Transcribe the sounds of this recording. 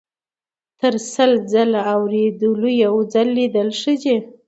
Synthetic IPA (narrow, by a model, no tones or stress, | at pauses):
t̪əɾsəld͡zalaawɾed̪əlojawd͡zalːid̪əlʂəd͡ʒe